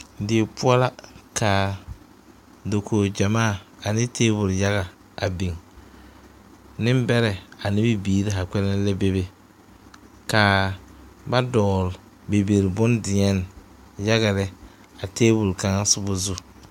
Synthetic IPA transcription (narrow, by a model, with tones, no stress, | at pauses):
dɪ˨e˨pʊ˦ɔ˦la˦kʰa˨ | do˨kʰoː˨d͡ʒa˨maː˦˨a˨nɪ˦tʰeː˦bʊ˨lja˦ɣa˨ | a˨bi˨ŋ | nɪ˦mbɛ˦ɾɛ˨a˨nɪ˦bɪ˦biː˦˨ɾi˦ɦa˨kɛ˦lɪ˦n˦lɛ˦be˦be˦ | ka˨ | ba˦dɔː˨l | be˨be˨ɾbʊ˦ndɪ˨ɲɛ˦n˨ | ja˦ɣa˨ɾɛ˦ | a˨teː˦bʊ˨lka˦ŋa˦sʊ˦bʊ˦zʊ˦